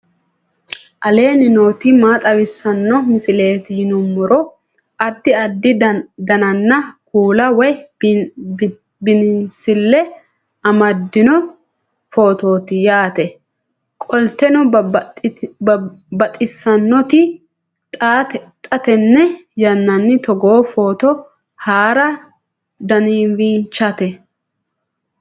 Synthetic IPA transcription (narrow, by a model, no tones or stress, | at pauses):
ʔɐle̞ːnɪnoːt̪ɪmaːt̪ʼɐwɪsːɐnːɔmɪsɪle̞ːt̪ɪjɪnʊmːʊɾɔ | ɐd̪ːɪɐd̪ːɪd̪ɐnɐnːɐkuːlɐwɔj | bɪnɪnsɪlːɛ | ɐmɐd̪ːɪnɔ | fo̞ːt̪o̞ːt̪ɪjaːt̪ɛ | kʼɔlt̪ɛnʊ | bɐt̪ʼɪsːɐnːɔt̪ɪ | t̪ʼaːt̪ɛt̪ʼɐt̪ɛnːɛjɐnːɐnːɪt̪ɔɡoːfo̞ːt̪ɔ | haːɾɐ | d̪ɐniːnwiːnt͡ʃːɐt̪ɛ